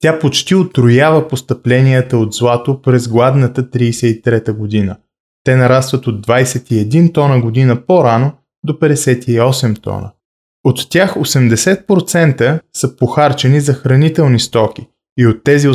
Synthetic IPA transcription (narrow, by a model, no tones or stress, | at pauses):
t̪ʲapot͡ʃt̪iot̪ɾojavəpost̪ɐplɛniət̪əod̪zlˠat̪opɾɛzɡlˠad̪nət̪ət̪ɾiːsɛit̪ɾɛt̪əɡod̪inə | t̪ɛnɐɾast̪vət̪od̪ːvajsɛt̪iɛd̪int̪ɔnəɡod̪inəpoɾano | d̪opɛd̪ɛsɛt̪iɔsɛmt̪ɔ̰nə̰ | ot̪ːʲjaxosɛmd̪ɛsɛt̪̚pɾot̪sɛnt̪əsəpoxaɾt͡ʃɛnizɐxɾɐnit̪ɛlˠnist̪ɔk̟ʲi | iot̪ːɛzi